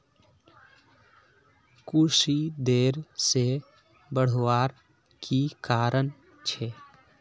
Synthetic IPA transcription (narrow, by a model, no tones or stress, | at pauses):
kusid̪eːɾse | bəɽ̤waːɾ | kʰikaːɾəɳ | t͡ʃʰɛ